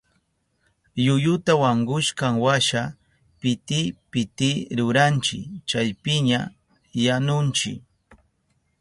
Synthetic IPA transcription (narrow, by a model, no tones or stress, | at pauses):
jʊjʊt̪awaŋɡʊʃkaŋwaʃa | pɪt̪ɪpɪt̪ɪɾʊɾant͡ʃɪ̰t͡ʃajpɪɲa | janʊnt͡ʃɪ̰k